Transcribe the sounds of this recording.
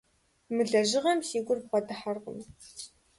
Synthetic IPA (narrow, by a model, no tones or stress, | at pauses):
mɨɮɐʒɪʁɐmsiːɡʷʼʊrpɐdɨħarʁʊ̰m